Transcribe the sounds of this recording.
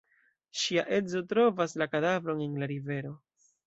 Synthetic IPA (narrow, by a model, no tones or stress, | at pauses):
ʃiaʔe̞zo̞tɾo̞vaslakadavɾo̞nenlaɾive̞ɾo̞